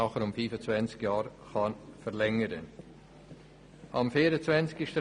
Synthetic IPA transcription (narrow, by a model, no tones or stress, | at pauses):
ɑχəɾʊmfiːfət͡svɛnt͡skjɑːɾχɑnfəɾlɛŋəɾən | ʔɑmfiːɾət͡svɛnt͡skɪʃt